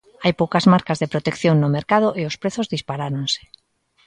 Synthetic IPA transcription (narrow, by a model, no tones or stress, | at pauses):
ajpowkazmaɾkazðepɾot̪ekθjoŋnomeɾkað̞oʔeospɾeθozðispaɾaɾonse̥